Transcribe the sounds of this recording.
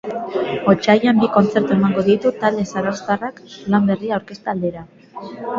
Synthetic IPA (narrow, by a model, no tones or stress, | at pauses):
o̞t͡ʃajambiko̞nt͡se̞ɾt̪ue̞maŋɡo̞ðit̪ut̪ald̪e̞saɾowst̪araklambe̞riawɾke̞st̪aːld̪e̞ɾa